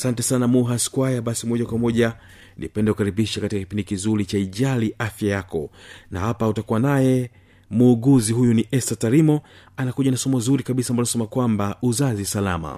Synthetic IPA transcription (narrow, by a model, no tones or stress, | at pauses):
asantɛsanamuɦaskwajaɓasimɔʄakwamɔʄa | nʔḭpɛndɛkukaɾiɓiʃakatikaki̥pindikizuɾit͡ʃaiʄaliʔafjajakɔna̰hapautakuwanajɛ | muːɡuziɦujuniʔɛstataɾimɔ | anakuʄanasɔmɔzuɾikaɓisambaɔnsɛmakwambauzazisalama̰